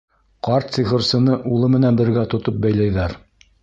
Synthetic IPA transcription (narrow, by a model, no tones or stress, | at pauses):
qɑɾt̪siʁɤ̆ɾsɤ̆nɤʔulˠɤmɘ̆nænbɘ̆ɾɡæt̪ŏt̪op̚bæjlæjðæɾ